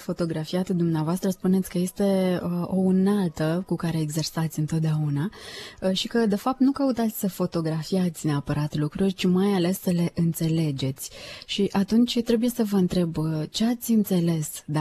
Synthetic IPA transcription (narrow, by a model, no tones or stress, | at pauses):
fo̞t̪o̞ɡɾafiat̪d̪umneavoast̪ɾəspune̞t̪sʲkəje̞st̪e̞ʔounalt̪əkukaɾe̞ːɡze̞rsat̪sʲɨnt̪o̞t̪̚d̪eauna | ʃikəd̪e̞fap̚t̪nukəut̪at̪sʲsəfo̞t̪o̞ɡɾafiat̪sʲneapəɾat̪lukɾurʲt͡ʃimajale̞sːəle̞ʔɨnt̪se̞le̞d͡ʒe̞t̪sʲʃiʔat̪unt͡ʃʲt̪ɾe̞buje̞səvəɨnt̪ɾe̞bət͡ʃe̞at̪sʲɨnt̪se̞le̞sd̪a